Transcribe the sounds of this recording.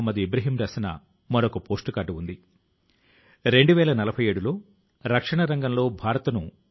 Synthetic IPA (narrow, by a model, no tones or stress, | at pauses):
mːɐd̪iebɾɐɦiːmɾɐsɐnɐ̰ | mɐɾokɐpoːsʈukaːʈuund̪i | ɾe̞ɳɖuʋɛːɭɐnɐlɐbʱɐjeːɽulo̞ː | ɾɐkʂɐɳɐɾɐŋɡɐmlo̞ːbʱaːɾɐt̪ɐnu